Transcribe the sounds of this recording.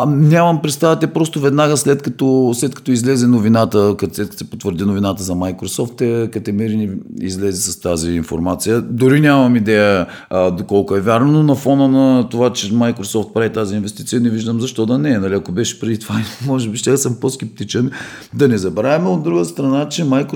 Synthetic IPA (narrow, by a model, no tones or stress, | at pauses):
nʲamɐmpɾɛt̪st̪avɐt̪ɛpɾɔst̪ovɛd̪naɡəslɛt̪kɐt̪ɔslɛt̪kɐ̥t̪ɔizlɛzɛnovinat̪əkɐt̪slɛt̪̚k̪sɛpot̪vəɾd̪inovinat̪əzɐmajkɾosɔft̪ɛkɐt̪ɛmɛɾiniizlɛzɛsɐst̪aziːnfo̰ɾmat̪sijəd̪ʊɾinʲamɐmid̪ɛjə | d̪okɔlˠkʊɛvʲjaɾnononɐfɔnənɐt̪ovat͡ʃɛmajkɾosɔft̪̚pɾavit̪aziinvɛst̪i̥t̪sijənɛviʒd̪əmzɐʃt̪ɔd̪ɐnɛnɐliɐkobɛʃɛ̥pɾɛd̪it̪ovamɔʒɛbiʃt̪ʲɛasəmposkʲɛp̚t̪it͡ʃɛn | d̪ɐnɛzɐbɾavɛmɛod̪ɾuɡəst̪ɾɐnat͡ʃɛmajk